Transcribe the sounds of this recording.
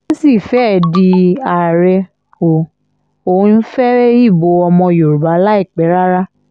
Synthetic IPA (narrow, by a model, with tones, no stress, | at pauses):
si˦˨fɛ˦˨di˧a˨ɾɛ˧ | o˨ | o˨ũ˧n̩˦fɛ˦ɾe˦i˦˨bo˨˦ɔ˧mɔ̃˧jo˨ɾu˨ba˨˦la˦i˦˨k͡pɛ˨˦ɾa˦ɾa˦